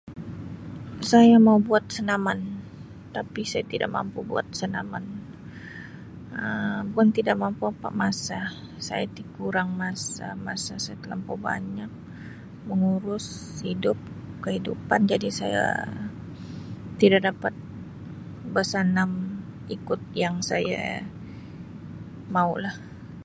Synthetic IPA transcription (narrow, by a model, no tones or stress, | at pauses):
sajamaubuat̪̚sənaman | t̪apisajat̪ida̰ʔ̚ma̰mpubua̰t̪̚sənama̰n | əbuant̪idak̚mampuapa̰ʔmasa | sa̰jat̪ikuɾaŋmasa̰masasajat̪əlampoba̰ɲak̚ | məŋuɾʊshidʊp̚ | kəɦidupand͡ʒadisaja̰ | t̪idak̚dapat̪̚ | bərsanam | ikʊt̪̚jaŋsaja̰ | maulah